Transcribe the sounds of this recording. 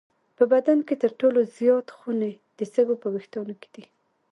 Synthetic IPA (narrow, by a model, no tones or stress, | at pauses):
pəbad̪anket̪əɾʈolozjɑt̪xune | d̪̥əsəɡopəwext̪unoke̥d̪̥i